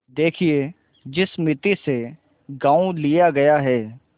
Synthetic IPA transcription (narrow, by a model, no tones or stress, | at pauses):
d̪eːkʰieː | d͡ʒɪsmɪt̪ise | ɡãːulijaɡɐjaɦɛː